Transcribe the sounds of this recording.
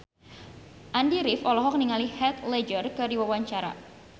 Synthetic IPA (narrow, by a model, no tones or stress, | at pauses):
ʔandiɾɪfɔlɔɦɔk̚niŋalihɛt̪lɛd͡ʒərkɨdiwawaɲt͡ʃaɾa̰